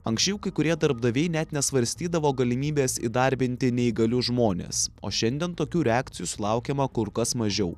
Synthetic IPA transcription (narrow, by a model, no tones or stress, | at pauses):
ɐŋksʲt͡ʃʲɛʊkɐɪkʊɾʲiɛd̪ɐɾbd̪ɐʋʲɛɪnʲɛt̪nʲɛsʋɐɾʲsʲt̪ʲiːd̪ɐʋoːɡɐlʲɪmʲiːbʲeːsḭd̪ɑɾʲbʲɪnʲt̪ʲɪnʲɛɪɡɐlʲʊʒmoːnʲḛːso̰ːʃʲɛnʲd̪ʲiɛnt̪oːkʲuːɾʲɛɑːkt̪sʲɪjuːsʊlˠɑˑʊkʲeːmɐkʊɾkɐsmɐʒʲɛʊ